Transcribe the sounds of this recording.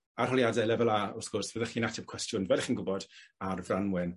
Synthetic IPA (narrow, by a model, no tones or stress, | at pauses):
arhɔljadɛlɛvɛlˠaɔrskɔrsvəðɛχiːnatʰɛp̚kʰw̥ɛstjʊnvɛlχinɡʊbɔd̥arvranwɪn